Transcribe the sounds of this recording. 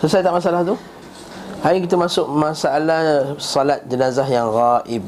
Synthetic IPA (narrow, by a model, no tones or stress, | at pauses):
səsajt̪aʔmasaalaht̪u | hajkit̪əmasʊk̚masaʔalahsɔlat̪̚d͡ʒənazaɦjaŋɣaʔɪb̚